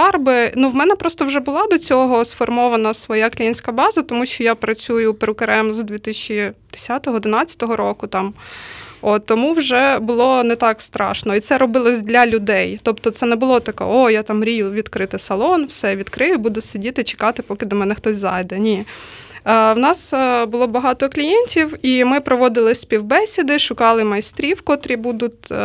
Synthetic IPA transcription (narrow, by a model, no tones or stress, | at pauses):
ɑrbɪnuwmɛnɛpɾɔst̪ɔwʒɛbʊlˠɑd̪ɔt͡sʲɔɦɔsfɔrmɔʋɐnɐsʋɔjaklʲijinʲsʲkɐbɑzɐt̪ɔmuʃt͡ʃɔjapɾɐt͡sʲujʊpɾɪkɐɾɛmzd̪ʲʋʲit̪ɪsʲt͡ʃid̪̥ɪ̥sʲat̪ɔɦɔːd̪ɪnɑt͡sʲːɐ̥t̪ɔɦɔɾɔkʊt̪ɑm | ot̪ːɔmuwʒɛbʊlˠɔnɛt̪ɑkst̪ɾɑ̰ʃnɔit̪sɛɾɔbɪlˠɔzʲd̪lʲɐlʲʊd̪ɛjt̪ɔpt̪ɔt̪sɛnɛbʊlˠɔt̪ɐkɛ̰ojɑt̪ɑmɾʲijʊʋʲid̪kɾɪt̪ɪsɐlˠɔnwsɛʋʲid̪kɾɪjʊbud̪ʊsedʲit̪ɪt͡ʃe̥kɑt̪ɪpɔkɪd̪ɔmɛnɛxt̪ɔzʲzɑ̰jd̪ɛnʲi | wnɑsbʊlˠɔbɐɦɑt̪ɔklʲijenʲtʲiwimɪpɾɔʋɔd̪ɪlˠɪsʲpʲiwbɛsʲid̪ɪʃʊkɑlˠɪmɐjst̪ɾʲiwkɔt̪ɾʲibud̪ʊtʲ